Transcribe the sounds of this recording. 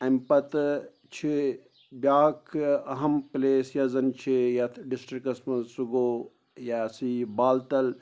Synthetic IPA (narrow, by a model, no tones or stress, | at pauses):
ɐmpɐt̪ | t͡ʃʰi | bʲjaːkʰɐɦɐmpleːsjɐzɐnt͡ʃʰijɐɖisʈɾikɐsmɐsuɡoː | jasibaːlt̪ɐl